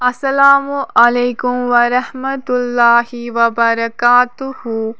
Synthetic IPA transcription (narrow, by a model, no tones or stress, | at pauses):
ɐsɐlaːmuʔɐlejkʊmʋɐɾɐhmɐt̪ʊlːaːhiʋɐbɐɾɐkaːt̪uhu